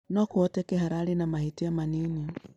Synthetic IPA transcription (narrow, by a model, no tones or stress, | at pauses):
nɔkuɔtɛkeɦaɾaːɾenamahetiamaneɲi